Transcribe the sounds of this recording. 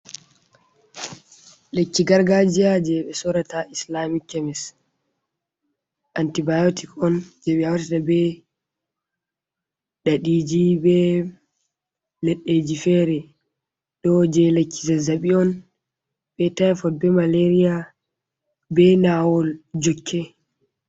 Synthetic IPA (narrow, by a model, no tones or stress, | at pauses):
lekːiɡaɾɡad͡ʒiad͡ʒɛɓɛsɔɾataislamikːɛmɛs | ʔantibajotikɔnd͡ʒɛɓɛawatɛtabɛ | ɗaɗid͡ʒibɛ | lɛɗːed͡ʒifɛɾɛ | ɗɔd͡ʒɛlekːi̥zazaɓiɔn | bɛtafɔbɛmaleɾija | bɛnawɔld͡ʒɔkʰːɛ